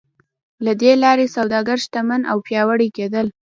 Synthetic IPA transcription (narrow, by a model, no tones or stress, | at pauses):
lad̪elɑɾesawd̪ɑɡaɾʃt̪amanʔa̰wpjɑwəɽiked̪əl